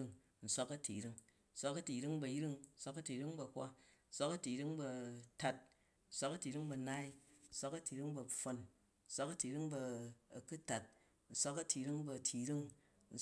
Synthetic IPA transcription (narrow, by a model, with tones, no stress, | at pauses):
ŋ | n̩˨sʷa˦kɐ˦tʰḭ˨ɾi˦ŋ | n̩˦sʷa˦kɐ˦ti˨ɾi˦ŋbɐ˧jɾi˦ŋn̩˦sʷa˦kɐ˦ti˨ɾi˦ŋbɐ˧kʷa̰˦n̩˦sʷa˦kɐ˦ti˨ɾi˦ŋbɐ˧ta˦t̚ | n̩˦˨sʷa˦kɐ˦ti˨ɾi˦ŋbɐ˨˧na˦i˦n̩˦sʷa˦kɐ˦ti˨ɾi˦ŋbɐ˧ɸo˧n | n̩˦sʷa˦kɐ˦ti˨ɾi˦ŋbɐː˧˨ku˦ta˨t̚ | n̩˦˨sʷa˦kɐ˦tʰi˨ɾi˦ŋbɐ˧˨tʰi˨ɾi˦ŋ | n̩˨